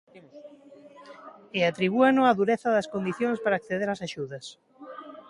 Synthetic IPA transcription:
eat̪ɾiβ̞uanoaðuɾeθɐðɐskond̪iθjõŋspaɾaːkθeðeɾasaʃuðɐs

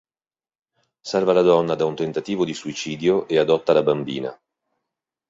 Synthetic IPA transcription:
sɛrvalad̪ɔnːad̪aunt̪ent̪at̪iːvod̪isuit͡ʃiːd̪joʔead̪ɔt̪ːalabambiːna̰

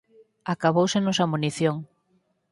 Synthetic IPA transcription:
akaβowsenosamuniθjoŋ

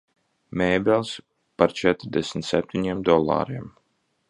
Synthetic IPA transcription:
mʲɛːbɛlˠs | paɾt͡ʃɛt̪ɾd̪ɛsmʲt̪sɛp̚t̪iɲimd̪ɔlˠːa̰ːɾim

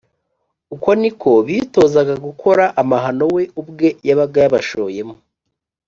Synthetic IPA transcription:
uko̞nikʰo̞βito̞ːzaɡaɡukʰo̞ɾaʔamaɦano̞we̞ubɡe̞jaβab̚ɡajaβaʃoje̞mo

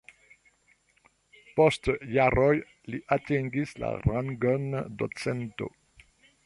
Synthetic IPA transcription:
postjaɾɔj | liʔatĩŋɡisla̰ɾaŋɡɔndo̰t͡sɛnto̰

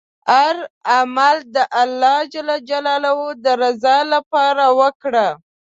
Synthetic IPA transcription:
aɾamald̪əʔalːɑd͡ʒalɑd͡ʒalɑlawod̪əɾazɑlapɑɾawəkɽa

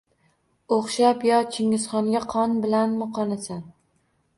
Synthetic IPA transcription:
oχʃapjɒt͡ʃʰɪŋɪzχɒŋɡʲaqʰɒnbɪlanmʊqʰɒnasan

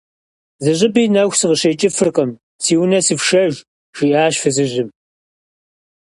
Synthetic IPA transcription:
zɨʑɪbiːnɐxʷsɨʁəɕɐjt͡ʃʼɪfɨrqʼɐm | siːwʊnɐsɨfʃɐʒ | ʃiʔaːɕfɨzɨʑɪm

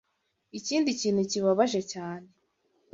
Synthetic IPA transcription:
iciːndiciːnhuciβaβaʒe̞caːne

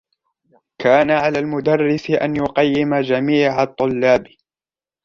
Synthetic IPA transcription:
kaːnaʕalaːlmʊd̪ɑrˤːɪsɪʔa̰njʊqɑjːɪmad͡ʒamiːʕat̪ˤːʊlːaːb

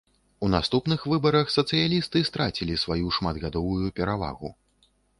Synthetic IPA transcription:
unast̪upnɨxvɨbɐɾɐxsɐt̪sɨjalʲist̪ɨst̪ɾat͡sʲilʲisvajuʂmad̪ɣad̪ɔvujupʲɛɾava̰ɣṵ

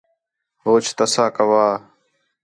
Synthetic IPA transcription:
ɦoːt͡ʃʰt̪əsãːkəʋaː

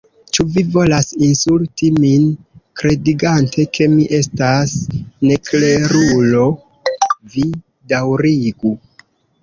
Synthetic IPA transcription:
t͡ʃuvivo̞lasinsultiminkɾe̞diɡantʰe̞kʰe̞miʔe̞stasne̞kle̞ɾulo̞ | vi | dawɾiɡu

